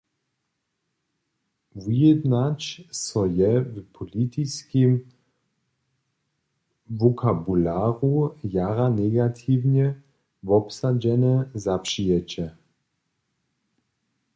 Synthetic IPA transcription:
vujɛd̪nat͡ɕsɔjɛvpʰɔlit̪iskim | vɔkʰabulaːʁujaɾanɛɡat̪ʰiwɲɛ | vɔpsad͡ʑɛnɛzapʂijɛt͡ɕɛ

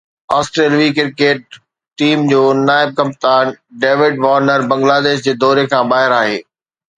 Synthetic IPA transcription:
aːsʈɾeːlʋikɪɾkeːʈ̚ː | iːmd͡ʑoːnaːɪb̚kɐ̃mp̚t̪aːnɖeːʋɪɖʋɔːɾnəɾbɐ̃ŋɡlaːd̪eːʃd͡ʑeːd̪ɔːɾekʰãːbaːɦɪɾaːɦeː

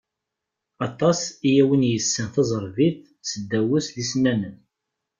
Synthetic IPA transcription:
ɑt̪ˤːɑsijæwənjəsːənθɑzˤəɾˤviθ | səd̪ːæwʊslisnænən

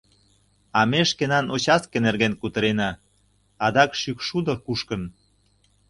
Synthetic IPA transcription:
ɑmeʃkenɑnot͡ɕɑskenerɣenkut̪ə̆ɾenɑː | ɑd̪ɑkʃykʃud̪ŏkuʃkən

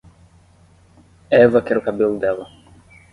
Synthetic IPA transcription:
ɛvɐkɛɾʊkabelʊd̪ɛlɐ

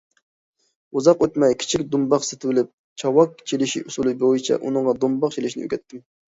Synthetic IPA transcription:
uzɑqøt̪mɛjkʲʰi̥t͡ʃʰikʲd̪umbɑqset̪ʰɪwɪlɪp̚ | t͡ʃʰɑwɑkt͡ʃʰelɪʃḭʔusulˠɨbojit͡ʃʰɛ̰ʔṵnɨŋʁɑd̪umbɑqt͡ʃʰilɪʃinɪø̰ɡʲɛt̪ʰːɪm

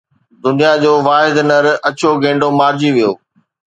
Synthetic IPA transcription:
d̪ʊnijad͡ʑoːʋaːɦɪd̪nəɾɐt͡ɕoɡẽːɳɖomaːɾd͡ʑiʋijoː

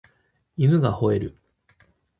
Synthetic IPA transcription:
imɯ̟ɡaho̞e̞ɾɯ̟̰

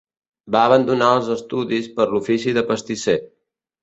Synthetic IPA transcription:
baəβ̞ənd̪unaəlˠzəst̪uðispəɾlufisiðəpəst̪ise

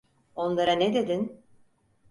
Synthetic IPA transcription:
o̞nlˠaɾanɛd̪e̞d̪in

